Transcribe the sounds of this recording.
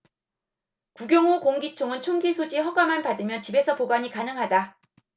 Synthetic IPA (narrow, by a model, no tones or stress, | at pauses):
kuɡjʌŋokoŋɡit͡ɕʰoŋɯnt͡ɕʰoŋɡisʰod͡ʑiɸʌɡamanpadɯmjʌnt͡ɕibe̞sʰʌpoɡwaɲikanɯŋɦada